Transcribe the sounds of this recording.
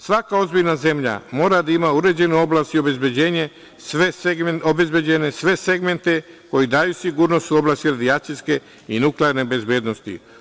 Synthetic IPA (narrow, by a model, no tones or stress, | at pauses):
sʋakao̞zbiʎnaze̞mʎa̰mo̞ːɾad̪aimauɾe̞d͡ʑe̞nuo̞blaːst̪iobe̞zbjed͡ʑe̞ːɲe | sʋeobezbed͡ʑenesʋe̞se̞ɡme̞nt̪e̞ | ko̞jid̪aːjusiɡuːɾno̞st̪uo̞blaːst̪iɾad̪ijat͡ʃ̪iske̞ | inukleaɾnebe̞zbeːd̪no̞st̪ḭ